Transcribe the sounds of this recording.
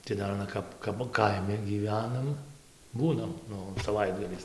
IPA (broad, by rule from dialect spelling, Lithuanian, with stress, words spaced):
tɐɪ ˈdɐr ɐˈnɐ kɐp kɐp ˈkɐɪmʲɪ ɡʲiːˈʋʲæːnɐm ˈbuːnɐm ˈnʊ sɐˈʋɐɪdɡɐlʲɛɪs